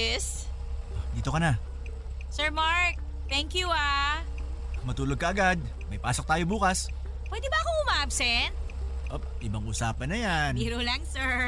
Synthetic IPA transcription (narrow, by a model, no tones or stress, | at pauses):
s | ʔod̪iːt̪o̞kɐna | sɛɹmaɹk̚ | t̪ɛŋkjua | mɐt̪uːloɡ̚kɐʔɐɡad̪̚ | mɐjpaːsok̚t̪aːjo̞buːkɐs | pwɛd̪ɛbɐʔɐkoŋʊmaːʔɐbsɛnt̪̚ | ʔob̚ʔɪbɐŋʔusaːpɐnɐjaniɾulɐŋsɛɹ